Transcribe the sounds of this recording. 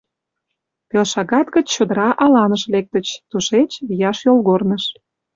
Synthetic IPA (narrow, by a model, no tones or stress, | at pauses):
pelʃɑɣɑt̪ɣə̆t͡ɕt͡ɕod̪əɾɑʔɑlɑnəʃlek̚t̪ət͡ɕt̪uʃet͡ɕβijɑʃjolˠɣornəʃ